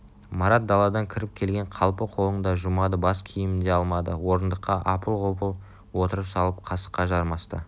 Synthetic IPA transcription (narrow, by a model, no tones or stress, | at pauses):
mɑɾɑt̪̚d̪ɑlˠɑd̪ɑŋkʲʰɪɾɪp̚kʲʰe̞lɡʲe̞ɴqʰɑlˠpəqʰo̞lˠəɴd̪ɑʒumɑd̪əbɑskʲʰijɪmɪnd̪e̞ɑlˠmɑd̪əwo̞ɾənd̪əqːɑʔɑpəlˠʁopəlˠ | wo̞t̪əɾəpsɑlˠəp̚qʰɑsə̥qːɑʒɑɾmɑst̪ə